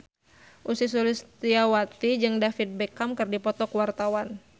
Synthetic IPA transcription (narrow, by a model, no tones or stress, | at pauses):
ʔusis̬ulist̪iawat̪id͡ʒɨŋdafit̪̚bɛkamkɨrdipɔt̪ɔkwart̪awan